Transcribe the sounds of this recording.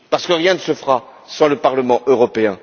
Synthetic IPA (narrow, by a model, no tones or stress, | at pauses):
paʁsə̥kəʁjɛ̃nəsəfχa | sɑ̃ləpaʁləmɑ̃ʔøʁɔpeɛ̃